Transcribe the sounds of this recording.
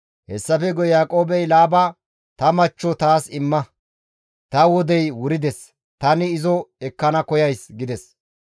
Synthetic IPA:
hɛsːɐfɛɡɔjaːkʼo̞ːbɛjlaːba | t̪ɐmɐt͡ʃːɔt̪aːsɪmːɐ | t̪ɐwɔd̪ɛjwʊɾɪd̪ɛs | t̪ɐnɪːzɔɛkːɐnɐkɔjɐjsɡɪd̪ɛs

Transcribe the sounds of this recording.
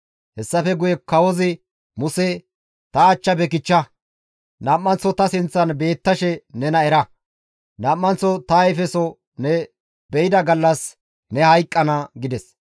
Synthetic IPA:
hɛsːɐfɛɡʊjɛkɐwɔzɪ | mʊsɛ | t̪ɐːt͡ʃːɐbɛkɪt͡ʃːɐ | nɐːmːɐnt͡sːɔt̪ɐsɪnt͡sːɐnbe̞ːt̪ːɐʃɛnɛnɐɛɾɐ | nɐːmːɐnt͡sːɔt̪ɐɛfɛsɔ | nɛ | bɛjɪd̪ɐɡɐlːɐs | nɛhɐjkʼːɐnɐɡɪd̪ɛs

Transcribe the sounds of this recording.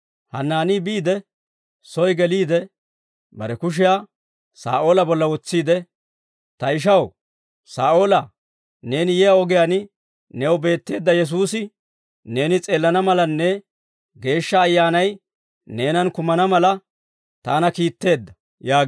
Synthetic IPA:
hɐ̰nːaːniːbiːd̪ɛ | sɔjɡɛliːd̪ɛ | bɐɾɛkʊʃ̬ɪjaː | sa̰ːʔo̞ːlɐbɔlːɐwɔt͡sːiːd̪ɛ | t̪ɐɪʃ̬ɐw | saːʔo̞ːlɐ | ne̞ːnɪjɛjaɔɡɪjanɪ | nɛwbe̞ːt̪ːe̞ːd̪ːɐjɛs̬uːsɪ | ne̞ːnɪt͡sʼe̞ːlːɐnɐmɐlɐnːɛ | ɡe̞ːʃːɐːjːaːnɐj | ne̞ːnɐnkʊmɐnɐmɐlɐ | t̪aːnɐkiːt̪ːe̞ːd̪ːɐ̥ | jaː

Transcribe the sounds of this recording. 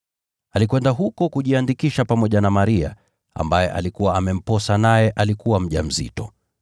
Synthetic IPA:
alikwɛndaɦukɔkuʄiandikiʃapamɔʄanamaɾia̰ | a̰mbajɛ̰ʔa̰likuwaamɛm̩pɔsanajɛʔalikuwam̩ʄam̩zḭtɔ

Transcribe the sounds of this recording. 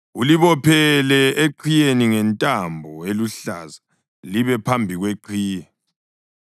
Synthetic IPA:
uliβɔpʰɛlɛeǃʰijeniŋɛntʼambʱɔeluɬa̰za | liβɛpʰambʱiɣweǃʰiːjɛ

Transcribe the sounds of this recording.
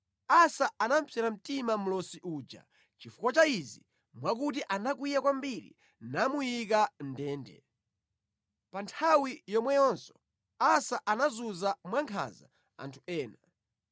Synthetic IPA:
asaanam̩pʰɛɾam̩timam̩lɔsiʔuːd͡ʒa̰ | t͡ʃifukwat͡ʃaizi | mwakut̬iʔanakwijakwambiɾḭ | namujikan̩dɛːndɛ̰ | pantʰawijɔmwɛjɔnsɔ̥ | asaʔanazuzamwaŋkʰa̰za̰ | a̰ntʰu̥ɛːna

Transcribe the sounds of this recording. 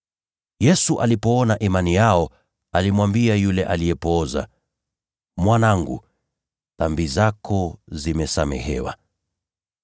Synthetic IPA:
jɛsuʔalipɔɔnaʔimanijaɔ | alimwambiajulɛʔalijɛpɔza̰ | mwanaŋɡṵ | θambizakʰɔzimɛsamɛ̰hɛ̰wa̰

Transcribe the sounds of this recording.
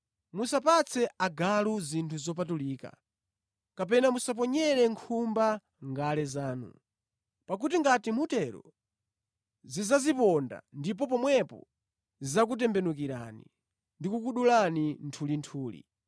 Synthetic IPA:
musapat͡sʰɛaɡaluzintʰuzɔpatuliːka̰ | kap̬ɛnamusap̬ɔɲɛɾɛŋkʰumba | ŋɡalɛzaːnṵ | pak̬utiŋɡatimutɛɾɔ̰ | zizazipɔnda̰ndip̬ɔp̬ɔmwɛpɔ̰ | zizak̬ut̬ɛmbɛnukiɾa̰nḭ | ndikukuɗulanintʰulintʰuːlḭ

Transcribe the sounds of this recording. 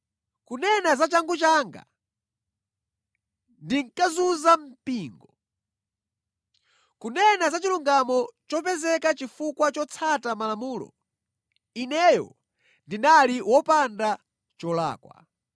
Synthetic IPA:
kunɛnazat͡ʃaŋɡut͡ʃaŋɡa̰ | ndiŋkazuzam̩piːŋɡɔ | kunɛnazat͡ʃiluŋɡamɔt͡ʃɔp̬ɛzɛkat͡ʃifukwat͡ʃɔt͡sʰatamalamuːlɔ̰ | inɛjɔ̰ | ndinaliwɔpanda | t͡ʃɔla̰ːkwa̰

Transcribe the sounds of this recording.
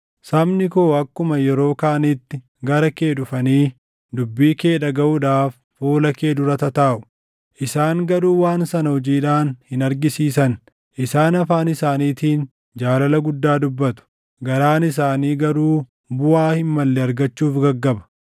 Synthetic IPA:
sɐmnɪkoːɐkːʊmɐjɛɾo̞ːkaːnɪt̪ːɪ | ɡɐɾɐke̞ːᶑʊfɐniː | d̪ʊbːiːke̞ːᶑɐɡɐʔʊᶑaːfːoːlɐke̞ːd̪ʊɾɐt̪ɐt̪aːʔʊ̥ | ʔɪsaːŋɡɐɾuːwaːnsɐnɐhɔd͡ʒiːᶑaːnhɪnɐɾɡɪsiːsɐn | ʔɪsaːnɐfaːnɪsaːniːt̪iːn | d͡ʒaːlɐlɐɡʊd̪ːaːd̪ʊbːɐt̪ʊ̥ | ɡɐɾaːnɪs̬aːniːɡɐɾuː | bʊaːhɪmːɐlːɛɐɾɡɐt͡ʃːuːfɡɐɡːɐbɐ̥

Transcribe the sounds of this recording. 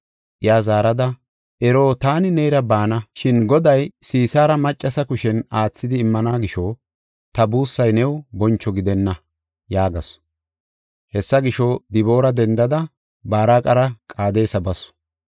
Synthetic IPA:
ʔɪjaːzaːɾɐd̪ɐ | ʔɛɾo̞ːt̪aːnɪnejɾɐbaːnɐʃɪnɡɔd̪ɐjsiːsaːɾɐmɐt͡ʃʼːɐsɐkʊʃɛnaːt͡sːɪd̪ɪːmːɐnaːɡɪʃɔ | t̪ɐbuːsːɐjnɛwbɔnt͡ʃːɔɡɪd̪ɛnːɐ | jaːɡɐs | hɛsːɐɡɪʃɔd̪ɪbo̞ːɾɐd̪ɛnd̪ɐd̪ɐ | baːɾaːkʼɐɾɐkʼaːd̪e̞ːsɐbɐsɔ̥

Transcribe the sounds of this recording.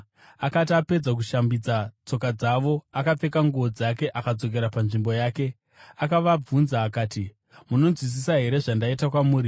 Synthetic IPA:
akat̬iape̞d͡zak̬uʃambid͡zat͡so̞kad͡zaʋo̞akap͡fe̞kaŋɡuod͡zake̞ʔakad͡zo̞k̬e̞ɾapanʐimbo̞jaːke̞ | akaʋab͡vunzaːkaːti | muno̞nzwis̬isaɦe̞ɾe̞ʐandaitak̬wamuːɾi

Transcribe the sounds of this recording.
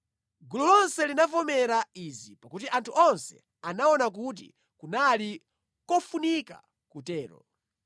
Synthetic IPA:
ɡulɔlɔnsɛlinafɔmɛɾaizipakutiʔantʰuʔɔnsɛ̰ | anaɔnak̬ut̬ḭ | kunali | kɔfunika̰ | kutɛːɾɔ̰

